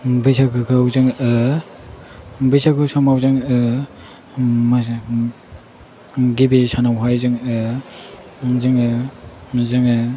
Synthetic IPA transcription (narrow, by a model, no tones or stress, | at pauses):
bɯjsakɯkʰawzɯŋ | bɯjsakɯsamawzɯŋ | ma | ɡibisanawɦajzɯŋ | zɯŋ | zɯŋɯ